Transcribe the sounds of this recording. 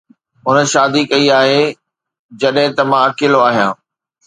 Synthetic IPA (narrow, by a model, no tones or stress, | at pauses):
ʊnə̆ʃaːd̪ikɐiaːɦe | d͡ʑɐɗɦɪ̃t̪ɐmãɐkɪloaːɦijã̰ː